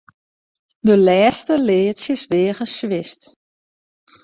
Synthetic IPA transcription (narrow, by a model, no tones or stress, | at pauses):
dəlɛːstəlɪːtsjəsʋɪːəɣəsʋɪst